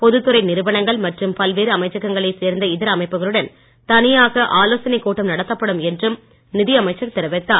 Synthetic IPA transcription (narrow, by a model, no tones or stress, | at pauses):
pɔðɯt̪ːɯɾɐɪnɪɾɯʋɐnɐŋɡɐɭmɐʈrɯmpɐlʋeːɾɯɐmɐɪt͡ʃːɐɣːɐŋɡɐɭɐɪseːɾnd̪ɐɪðɪɾɐmɐɪpːɯɣɐɭɯɽɐn | t̪ɐnɪjaːɣɐʔaːloːsɐnɛɪkːoːʈːɐmnɐɽɐt̪ːɐpːɐɽɯmɛndrɯm | nɪðɪjɐmɐɪt͡ʃːɐɾt̪ːɪɾɐʋɛt̪ːaː